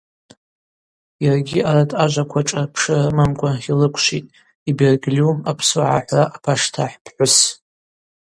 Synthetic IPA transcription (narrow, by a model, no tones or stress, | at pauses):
jarɡʲiaɾatʰʼaʒʷakʷʰaʈ͡ʂʼarpʰʂɨrɨmamkʷʼaχilɨkʷʰʃʷitʼ | iberɡliumapʰsuʕa̰ħʷraʔːpʰaʂtʰaħpʰħʷʊs